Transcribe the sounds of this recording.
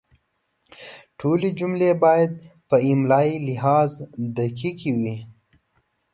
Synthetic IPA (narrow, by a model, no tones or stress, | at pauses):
ʈʰoled͡ʒumlebɑjad̪̚pəɪmlɑilɪɦɑzd̪akikʰiwi